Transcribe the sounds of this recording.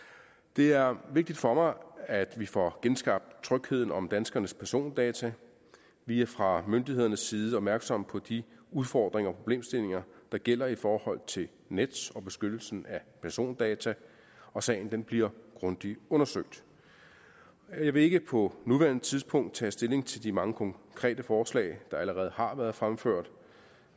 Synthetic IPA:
d̥e̝æɐʋe̝ɡ̥̚d̥id̥fɒ̽mɑ̈ɪæd̥ʋifɒɡ̥ensɡ̥ɑ̈b̥̚d̥t͡sʰʁœɡ̥he̝ð̞̰ˠn̩ɒ̽md̥ænsɡ̥ɐnəspʰæɐso̝̰ːnd̥ɛːt͡sʰæ | ʋiæɐfʁɑ̈mønd̥ihe̝ð̞̰ˠɐnəsːiːð̞ˠəɒ̽b̥mæɐɡ̥sɒ̽m̰pʰɒ̽d̥iuðˠfɒ̰ːd̥ʁeŋɐɒpʰʁo̝b̥le̝̰ːmsd̥e̝le̝ŋɐd̥ɑ̈ɡ̥el̰ɐifɒːhɒ̽l̰t͡sʰe̝l | ned̥sɒ̽b̥e̝sɡ̥ød̥l̩sn̩æpʰæɐso̝̰ːnd̥ɛːt͡sʰæ | ɒ̽sɛ̰ːɪn̩d̥enb̥liɐɡ̥ʁɔ̽nd̥iɔ̽nɐsøɡ̥̚d̥ | jɑ̈ɪʋe̝e̝ɡ̥əpʰɒ̽nuʋæɐn̩ˠt͡sʰiðˠspʰɔ̽ŋ̰d̥̚t͡sʰɛ̰ːsd̥e̝le̝ŋt͡sʰe̝ld̥imɑ̈ŋəkʰɒ̽ŋkʰʁɛ̰ːd̥əfɒːslɛ̰ɪd̥ɑ̈æləʁɛːð̞̩ˠhɑ̈ʋæːɐð̞ˠfʁamføɐ̰d̥

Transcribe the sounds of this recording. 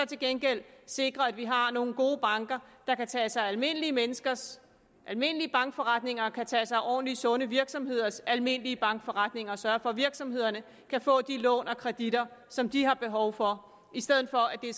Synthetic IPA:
ɒ̽t͡sʰe̝lɡ̥enɡ̥el̰se̝ɡ̥ʁɐæd̥ʋiɦɑ̈no̝ːn̩ɡ̥o̝ːb̥ɑ̈ŋɡ̥ɐd̥ɑ̈kæt͡sʰɛ̰ːsɑ̈ɪælme̝n̰əliəmenəsɡ̥ɐs | ʔælme̝n̰əliəb̥ɑ̈ŋɡ̥fɒʁad̥ne̝ŋɐkʰæt͡sʰɛ̰ːsɑ̈ɪʔɒ̰ːnlisɔ̽nəʋiɐɡ̥sɒ̽mhe̝ð̞̰ˠɐsælme̝n̰əliəb̥ɑ̈ŋɡ̥fɒ̽ʁɑd̥ne̝ŋɐɒ̽sɶːɐfɒ̽ʋiɐɡ̥sɒ̽mhe̝ð̰ˠɐnə | kʰæfɔ̰̽ːd̥ilɔ̰ːnɒ̽kʰʁɛd̥id̥ɐsɒ̽md̥iɦɑ̈b̥e̝ɦɒʊfɒ̽ | ʔisd̥eð̞̰ˠn̩ˠfɒ̽æd̥e̝

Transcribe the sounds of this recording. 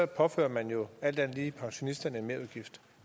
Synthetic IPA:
ɒpʰɒ̽fø̰ːɐmænjo̝æl̰d̥ænliːpʰɑ̈ŋɕo̝nisd̥ɐnəe̝nme̝ɐuðˠɡ̥ifd̥

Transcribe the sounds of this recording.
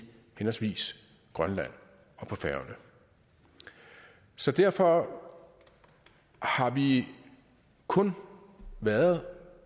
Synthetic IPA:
henɐsʋḭːs | ɡ̥ʁɶnlæn̰ | ɒ̽pʰɒ̽fæɐʊnə | sɒ̽d̥æɐ̰fɒ̽ | hɑ̈ʋi | kʰɔ̽n | ʋæɐð̩ˠ

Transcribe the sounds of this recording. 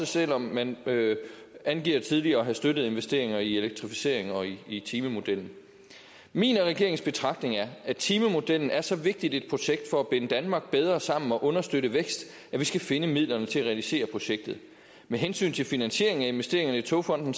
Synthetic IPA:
əsel̰ɒ̽mmænø | ænɡ̥ḭːɐ̰t͡sʰið̞ˠliɐːɦæsd̥ød̥ð̞̩ˠe̝nʋesd̥e̝ɐe̝ŋɐie̝leɡ̥̚t͡sʰʁifi̥se̝̰ɐe̝ŋɒ̽iːt͡sʰiːməmo̝d̥el̰n̩ | mḭːnʁɛɡ̥e̝ɐeŋsb̥e̝t͡sʰʁɑ̈ɡ̥̚d̥ne̝ŋæɐæt͡sʰiːməmo̝d̥el̰n̩æɐsɒ̽ʋe̝ɡ̥̚d̥id̥e̝d̥̚pʰʁo̝ɕeɡ̥̚d̥fɒ̽æb̥enəd̥ænmɑ̈ɡ̥̚b̥eð̞ˠʁɐsɑ̈m̰n̩ɒ̽ʔɔ̽nɐsd̥øɾəʋeɡ̥sd̥ | æʋisɡ̥æfe̝nəmið̰ˠlɐnət͡sʰe̝æʁɛælise̝̰ːɐpʰʁo̝ɕeɡ̥̚d̥ð̩ˠ | meɦensy̰ːnt͡sʰe̝lfinænɕe̝ɐe̝ŋæe̝nʋesd̥e̝ɐ̰eŋɐnəit͡sʰo̝fɒ̽n̰d̥n̩

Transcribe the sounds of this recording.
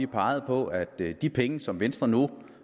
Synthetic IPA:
ipʰɑ̈ɪð̞̩ˠpʰɒ̽æd̥d̥ipʰeŋəsɒ̽mʋensd̥ʁɐnu

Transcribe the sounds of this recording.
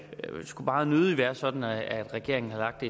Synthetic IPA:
sɡ̥ub̥ɑ̈ːnøð̞ˠiʋæːɐsɒ̽d̥n̩ææd̥ʁɛɡ̥e̝ɐe̝ŋn̩hɑ̈lɑ̈ɡ̥̚d̥e

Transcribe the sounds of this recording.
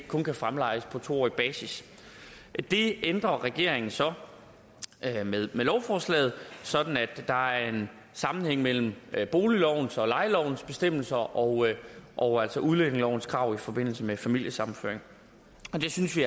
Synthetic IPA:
kʰɔ̽nkʰæfʁamlɑ̈ɪəspʰɒ̽t͡sʰo̝̰ɒ̰ib̥ɛːsis | d̥e̝end̥ʁɐʁɛɡ̥e̝ɐ̰e̝ŋn̩sɒ̽ | meðˠmelɒʊfɒːslɛ̰ːð̞̩ˠsɒ̽d̥n̩æd̥ːɑ̈æɐe̝n | sɑ̈mn̩heŋ̰mel̰m̩b̥o̝ːlilɒʊ̰n̩sɒ̽lɑ̈ɪlɒʊn̩sb̥e̝sd̥em̰l̩sɐʔɒʊʔɒʊæl̰sɒʔuðˠleneŋlɒʊ̰n̩skʰʁɑ̈ʊ̰ifɒ̽b̥e̝n̰l̩səmefæmil̰jəsɑ̈mn̩føɐe̝ŋ | ɒ̽d̥e̝synsʋi

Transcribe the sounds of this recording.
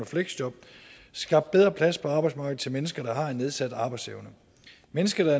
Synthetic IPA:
ɒfleɡ̥sd̥jɒ̽b̥ | sɡ̥ɑ̈b̥d̥̚beð̞ˠʁɐpʰlæspʰɒ̽ɑ̈ːb̥ɑɪsmɑ̈ːɡ̥ð̩ˠt͡sʰe̝lmenəsɡ̥ɐd̥ɑ̈hɑ̈e̝nːe̝ð̞ˠsæd̥ɑ̈ːb̥ɑ̈ɪdseʊnə | menəsɡ̥ɐd̥ɑ̈

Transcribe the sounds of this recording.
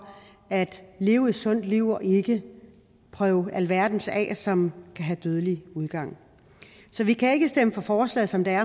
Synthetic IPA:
æd̥le̝ːʊəi̥sɔ̽n̰d̥liʊ̰ɒ̽ʔe̝ɡ̥ə | pʰʁœːʊælʋæɐd̥n̩sɛ̰sɒ̽mkʰæɦæd̥øð̞ˠəliuð̞ˠɡ̥ɑ̈ŋ̰ | sɒ̽ʋikʰæe̝ɡ̥əsd̥eməfɒ̽fɒːslɛ̰ːð̩ˠsɒ̽md̥eæɐ

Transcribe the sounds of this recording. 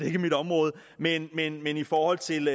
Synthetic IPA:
ee̝ɡ̥əmid̥ɾ̥ɒ̽mʁɔ̽ːð̞̩ˠ | menmenmenifɒːhɒ̽l̰t͡sʰe̝l

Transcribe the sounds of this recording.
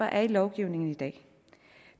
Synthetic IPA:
ɐʔæɐilɒʊɡ̥iʊ̰ne̝ŋn̩id̥ɛ̰̥ː

